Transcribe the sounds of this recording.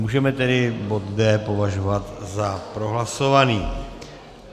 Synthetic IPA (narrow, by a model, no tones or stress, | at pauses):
muːʒɛmɛt̪ɛdɪbo̞t̪dɛːpo̞vaʒovat̪zapɾo̞ɦlaso̞vaniː